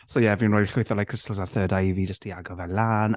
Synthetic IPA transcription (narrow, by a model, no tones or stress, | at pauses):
sowjɛvinrojd̥ɬʊɨθɔlajkʰr̥ɪstlˠzarθəːdavid͡ʒəstʰiaɡɔvɛnlaːn